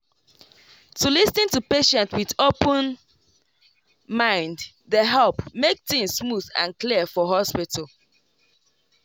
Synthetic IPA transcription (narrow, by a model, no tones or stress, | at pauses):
tulisnĩntupeʃɛ̃ntwiðopə̃n | mãɪ̃nd | ðəɦɛlpmek̚tĩŋssmuðã̰nkliəfɔɦɔspitʰəlˠ